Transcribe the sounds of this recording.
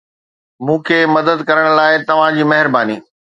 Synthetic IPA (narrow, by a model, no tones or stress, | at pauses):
mũːkʰeːmɐd̪əd̪kɐɾəɽ̃̆laːɪt̪ɐʋ̤ãd͡ʑiːmɐɦɪɾbaːniː